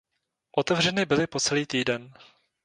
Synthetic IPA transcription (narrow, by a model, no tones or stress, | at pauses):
ʔot̪ɛvr̝ɛnɪbɪlɪpot͡sɛliːt̪iːdɛn